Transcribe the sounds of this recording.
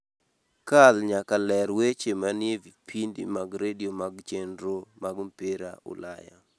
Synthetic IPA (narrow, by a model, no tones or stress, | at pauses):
kalɲakalɛɾwet͡ʃemanɪevipʰindḭmaɡɾediomaɡt͡ʃendɾomaɡmpeɾa̰ʔʊ̰la̰ja̰